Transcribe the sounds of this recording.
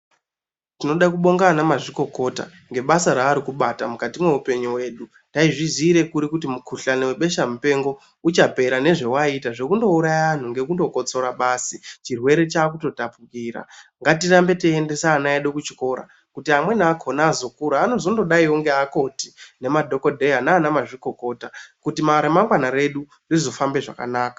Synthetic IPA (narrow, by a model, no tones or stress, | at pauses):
tino̞ɗakuɓo̞ŋɡanamaʐiko̞ko̞ta̰ | ŋɡe̞ɓasaɾaːɾikuɓatamukatimwe̞upe̞ɲiwe̞ːɗu | taiʐiziɾe̞kuɾikut̬imukʰuɬanewe̞ɓe̞ʃamupe̞ŋɡo̞ | ut͡ʃape̞ɾane̞ʐe̞waitaʐe̞kundo̞uɾajaan̤uŋɡe̞kundo̞ko̞t͡so̞ɾaɓaːsit͡ʃirwe̞ɾe̞t͡ʃaːk̬uto̞tapukiːɾa̰ŋɡatirambe̞teːnde̞saːnaeɗo̞kut͡ʃi̥ko̞ɾa̰ | kutiamwe̞naːkʰo̞naːzo̞kuɾaːno̞zo̞ndo̞ɗaioŋɡeako̞tine̞madʱo̞ko̞dʱeɦanaːnamaʐiko̞ko̞ːtakutimaɾemaŋɡwanaɾe̞ɗu | rizo̞fambe̞ʐa̰ka̰naːka